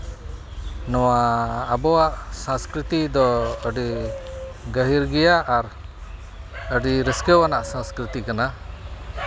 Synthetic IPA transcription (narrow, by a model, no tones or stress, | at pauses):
nɔwaːbɔwaʔsãskɾit̪id̪ɔəɖi | ɡəɦiɾɡijaʔːɾ | əɖiɾəskɔwanaʔsãskɾit̪ikana